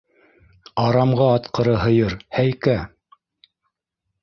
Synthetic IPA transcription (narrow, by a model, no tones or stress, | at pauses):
ɑɾɑmʁɑːt̪qɤ̆ɾɤɦɤ̆jɤɾhæjkæ